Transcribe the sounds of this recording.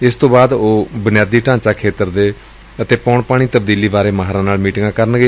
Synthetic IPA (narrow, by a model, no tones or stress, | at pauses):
ɪst̪õːbaːd̪oːbənɪjaːd̪iːʈãːɲt͡ʃaːkʰeːt̪əɾd̪eː | ət̪eːpɔːɳpaːɽ̃iːt̪əbd̪iːliːbaːɾeːmaɦɾãːnaːlmiːʈɪŋɡãːkəɾənɡeː